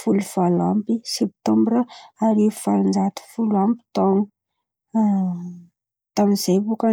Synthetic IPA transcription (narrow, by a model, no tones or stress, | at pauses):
fuluvalampisep̚t̪ɔmbrəaɾefaɾind͡zat̪u̥fulambi̥t̪oŋu | t̪aminz̥ejpuka